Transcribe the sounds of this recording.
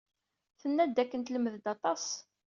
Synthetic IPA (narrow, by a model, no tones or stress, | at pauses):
θənːæd̪ækːənt̪ləmːəðd̪ɑt̪ˤɑs